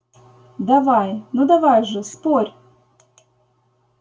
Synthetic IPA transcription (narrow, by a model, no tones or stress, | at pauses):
d̪avajnud̪avajʐɨsporʲ